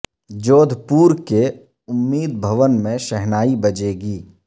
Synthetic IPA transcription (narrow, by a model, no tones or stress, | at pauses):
d͡ʒoːd̪ʱpuːɾke | ʊmːiːd̪̚bʱəʋənmẽʃɛɦnaːibɐd͡ʒeːɡiː